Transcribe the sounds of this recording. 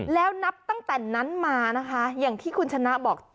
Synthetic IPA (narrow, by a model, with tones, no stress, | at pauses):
lɛː˦˥wna˦˥p̚t̪a˥˩ŋt̪ɛː˨˩na˦˥nmaː˧na˦˥kʰa˦˥jaː˨˩ŋt̪ʰiː˥˩kʰu˧nt͡ɕʰa˧na˦˥ʔbɔː˨˩k̚